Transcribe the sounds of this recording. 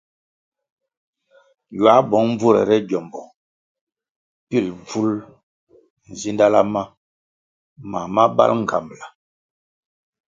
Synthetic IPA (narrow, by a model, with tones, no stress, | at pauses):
jwa˨˦bɔ˨˦ŋm˦b͡vu˦ɾɛ̰˨ɾɛ˦ɟɔ˨mbɔ˨ | pi˦˨lb͡vu˦l | n̩˨zi˦nda˦la̰˦ma˦ | ma˨ma˦ba̰˦lŋ̩˨kʰa̰˨m˨la˨